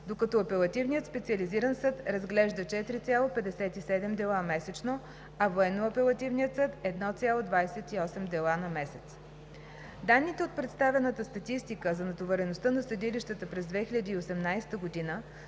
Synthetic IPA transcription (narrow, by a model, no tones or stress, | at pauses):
d̪okɐt̪ɔɐpɛlˠɐt̪ivnijət̪spɛt̪siɐliziɾənsɤt̪ɾɐzɡlɛʒd̪ət͡ʃɛt̪ɾit̪sʲjalˠopɛd̪ɛsɛt̪isɛd̪ɛmd̪ɛlˠamɛsɛt͡ʃno | ɐvoɛnːoɐpɛlˠɐt̪ivniət̪sɤt̪ɛd̪nɔt̪sʲalˠod̪vajsɛt̪iɔsɛmd̪ɛlˠanɐmɛsɛt̪s | d̪anːit̪ɛot̪̚pɾɛt̪st̪avʲɛnət̪əst̪ɐt̪ist̪ikəzɐnɐt̪ovɛɾɛnost̪ənɐsəd̪iliʃt̪ət̪əpɾɛzd̪vɛxilʲəd̪iːosɛmnajst̪əɡod̪inə